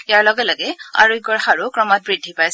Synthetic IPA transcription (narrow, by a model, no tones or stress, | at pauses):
jaɹlɔɡɛlaɡɛa̰ɹuɡɔɹxaɹukɹɔmɔt̚bɹidʱːipajs